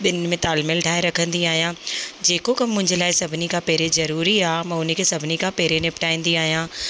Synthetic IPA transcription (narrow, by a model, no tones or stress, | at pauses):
ɓɪnmẽt̪aːlmɪlʈʰaːɪɾɐkʰə̃nd̪iaːɦijãd͡ʑeːkokɐmːʊ̃ɦɪ̃ɲd͡ʑəlaːɪsɐbʱɪnikʰãpeːɾezɐɾuːɾiaːɦmɐ̃ːʊnəkʰeːsɐbʱɪnikʰãpɛːɾenɪpʈaːĩːnd̪iaːɦijã